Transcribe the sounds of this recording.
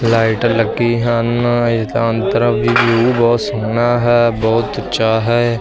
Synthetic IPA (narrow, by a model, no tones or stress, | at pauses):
laːɪʈləɡiːɦənt̪ant̪əɾəʋiːbjuːbɔːt̪soːnaːɦɛːbɔːt̪ʊʃaːɦɛː